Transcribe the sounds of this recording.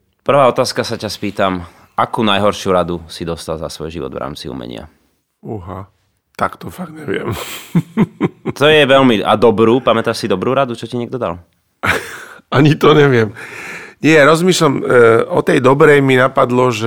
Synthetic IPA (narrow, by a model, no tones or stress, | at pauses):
pr̩ʋaːɔt̪aːskasacaspiːt̪am | ʔakuːnajɦɔɾʃjuɾad̪usid̪ɔst̪alza̰sʋɔjʒḭʋɔ̰d̪ʋɾʔa̰ːmt͡siṵmɛ̰ɲɪ̰a̰ | uɦa | t̪akt̪ɔfaɡ̪ɲɛʋɪɛ̰m | t̪ɔjɛʋɛʎmiʔa̰d̪ɔbɾuːpamɛt̪aʃsid̪ɔbɾuːɾad̪ut͡ʃɔciɲɛɡ̪̚ɔd̪a̰l | aɲit̪ɔɲɛʋɪɛmɲɪɛjaɾɔzmiːʃlamɔt̪ɛjd̪ɔbɾɛjminapad̪lɔʒ